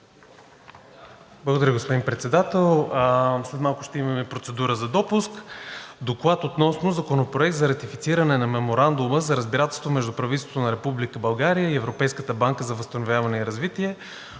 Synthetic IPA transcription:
blˠəɡod̪ɐɾʲəɡospod̪inpɾɛt̪sɛd̪at̪ɛlˠslɛt̪malˠkʊ̥ʃt̪ɛimɐmɛpɾot̪sɛd̪uɾəzɐd̪ɔpuskd̪oklˠat̪ot̪nɔsnʊzɐkonopɾoɛk̚t̪zɐɾɐt̪ifit̪siɾɐnɛnɐmɛmoɾand̪ʊməzɐɾəzbiɾat̪ɛlˠst̪vomɛʒd̪upɾɐvit̪ɛst̪ot̪onɐɾɛpublikəbɐlˠɡaɾijəiɛvɾopɛjskət̪əbaŋkəzɐvəst̪ɐnovʲjavɐnɛiɾɐzvit̪iɛ

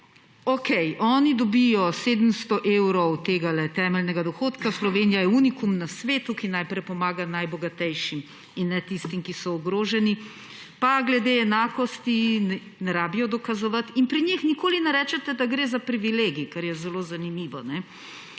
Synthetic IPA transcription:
okʰɛjɔːnid̪ɔbijɔseːd̪əm̩st̪ɔʔewɾɔwt̪eːɡalɛt̪ɛːmɛlnɛɡad̪ɔxoːt̪kaslɔʋeːnijajɛunikumnasʋeːt̪ukinajpɾɛjpɔmaːɡanajbɔɡat̪ɛjʃim | inːɛt̪ist̪imkisɔɔɡɾoːʒɛni | paɡlɛd̪eɛnaːkɔst̪in | nɛɾaːbijɔd̪ɔkazɔʋat̪inpɾiɲixnikoːlinɛɾɛːt͡ʃɛt̪ɛd̪aɡɾeːzapɾiʋileːɡikaɾjɛzɛloːzanimiːʋɔnɛ

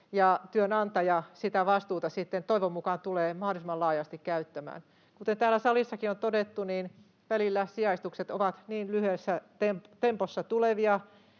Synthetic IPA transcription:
jɑt̪yønɑnt̪ɑjɑsit̪æʋɑst̪uːt̪ɑsit̪ːent̪oiʋomːukɑnt̪uleːmɑhdolisimɑlɑːjɑst̪ikkæyt̪ːæmæ̰ːn | kut̪ent̪æːlæsɑlisːɑkiont̪odet̪ːuniːn | ʋælilːæsiɑist̪ukset̪o̰ʋɑt̪niːnlyhesːæt̪empt̪emposːɑt̪uleʋiɑ

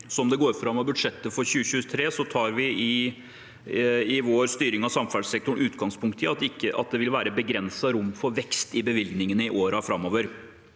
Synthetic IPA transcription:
sɔɔmd̪ɛɡoːɾfɾɑmːɔbʉd̪ʂɛt̪ːəfɔɾçʉːəɕʉːət̪ʰɾeːsɔt̪ʰɑːɾʋɪɪ | ɪʋoːɾst̪yːɾɪŋɑsɑmfæɖsɛk̚t̪ʊɳ̩ʉːt̪ɡɑŋspʰʊŋkt̪əɑt̪ɪkːəʔɑ̰t̪̚d̪ɛʋɪlʋæːɾəbəɡɾɛnsɑɾʊmːfɔɾʋɛkst̪ɪbəʋɪlɡnɪŋənəɪʔoːɾɑfɾɑmːɔʋəɾ

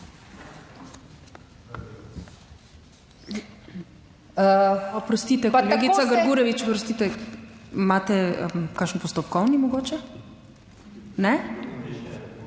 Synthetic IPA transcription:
apɾɔst̪it̪ɛpat̪aɡit̪saɡəɾɡuɾɛʋit͡ʃpɾɔst̪it̪ɛ | mat̪ɛkaʃənpɔst̪ɔpkɔwnimoɡot͡ʃɛ | nɛ

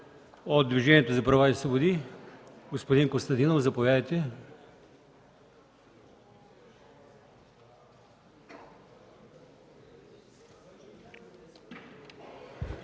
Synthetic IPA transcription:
od̪d̪viʒɛniɛt̪ozɐpɾɐvaisvobod̪i | ɡospod̪inkost̪ɐnt̪inofzɐpovʲad̪əjt̪ɛ

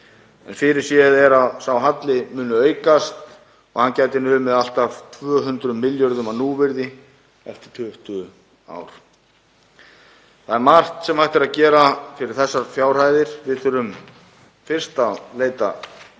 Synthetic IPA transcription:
ɛ̰nfɪɾɪɾ̥sjɛðɛɾaðsawɦat̪lɪmʏːnʏœːɥkast̪ | ɔɣhancaːjt̪ɪnʏmːɛðal̥t̪avt̪ʰvœːɦʏnt̪ɾʏmːɪljɔɾðʏmanuːvɪɾðɪ | ɛft̪ɪ̥t̪ʰʏht̪ʏ | a̰ːwɾ̥ | θaðɛɾmar̥t̪sɛmajht̪ɪɾaðcɛːɾafɪɾɪɾ̥θɛsːaɾ̥fjaːwr̥aːjðɪɾ̥vɪðθœɾʏm | fɪr̥st̪aleːjt̪a̰

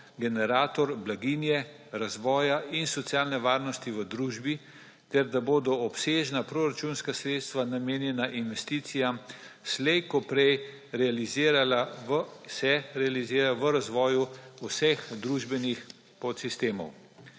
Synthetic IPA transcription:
ɡɛnɛɾaːt̪ɔɾblaɡinjɛ | ɾazʋɔːjaʔinsɔt̪sʲjaːlnɛʋaːɾnɔst̪iʋəd̪ɾuːʒbi | t̪ɛɾd̪aboːd̪ɔɔpseːʒnapɾoːɾat͡ʃunskasɾeːt̪st̪ʋanameːnjɛnaʔinʋɛst̪iːt̪sijam | slɛjkɔpɾɛj | ɾɛaliziːɾala | sɛɾɛalizɪːɾaʋəɾazʋɔːjuusɛxd̪ɾuːʒbɛnix | pɔt̪sist̪eːmɔ̰w

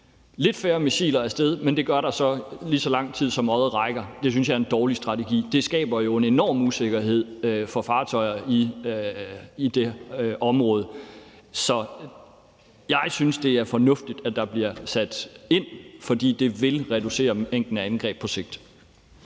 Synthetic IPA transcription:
le̝d̥fæːɐmiɕḭːlɐæɐsd̥eð̞ˠmend̥e̝ɡ̥ɶɐɾɑ̈sɒ̽lisɒ̽lɑ̈ŋ̰t͡sʰið̞̰ˠsɒ̽mɒ̽ðˠʁɑ̈ɪɡ̥ɐd̥e̝s̬ynsjɑɪɐend̥ɒːlisd̥ʁɑ̈t͡sʰeɡ̥ḭːd̥e̝sɡ̥ɛ̰ːb̥ɐjo̝e̝ne̝nɒ̰ːmuse̝ɡ̥ɐɦe̝ð̰ˠfɒ̽fɑ̈ːt͡sʰɒ̽ɪɐi | id̥e̝ɒ̽mʁɔ̽ːðˠ | sɒ̽ | jɑ̈ɪsynsd̥e̝æɐfɒ̽nɔ̽fd̥id̥æd̥ɑ̈b̥liɐsæd̥e̝n̰fɒ̽d̥ḭːd̥e̝ʋe̝lʁɛd̥use̝̰ːɐeŋ̰ɡ̥l̩nəænɡ̥ʁɛ̰ːb̥̚pʰɒ̽se̝ɡ̥̚d̥

